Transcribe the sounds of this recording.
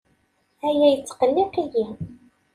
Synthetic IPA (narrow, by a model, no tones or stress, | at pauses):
æjæjət͡sːqəlːiqiji